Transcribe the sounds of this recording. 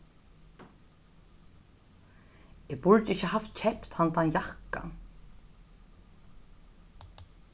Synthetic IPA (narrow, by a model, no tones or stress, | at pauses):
ɪpʊɹt̪ɪçəɦaft̪t͡ʃʰɛhpt̪hant̪anjahka̰